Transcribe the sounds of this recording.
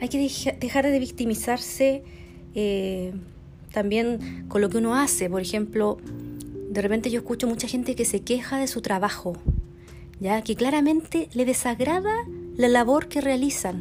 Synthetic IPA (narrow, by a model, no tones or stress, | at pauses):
ajkeðed̪exaɾðeβikt̪imisaɾse | e | t̪ambje̞nkonlo̞keuno̞asepoɾexe̞mplo | d̪erepent̪e̞ʝoeskut͡ʃo̞mut͡ʃaxe̞nt̪ekesekexaðe̞sut̪ɾaβaxo | ɟ͡ʝakeklaɾame̞nt̪eleðesaɣɾaðalalaβo̞ɾkerealisan